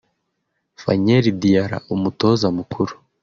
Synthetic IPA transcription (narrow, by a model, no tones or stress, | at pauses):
fa̰ɲeɾidijaɾa̰ʔumutozamukʰuɾu̥